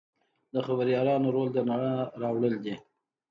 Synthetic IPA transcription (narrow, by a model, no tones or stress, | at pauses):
d̪əxabəɾjɑlɑnoɾold̪ənaɳaɾɑwɽəld̪i